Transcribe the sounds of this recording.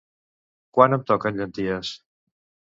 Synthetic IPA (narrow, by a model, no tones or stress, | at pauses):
kwanəmt̪ɔkənʎənt̪iəs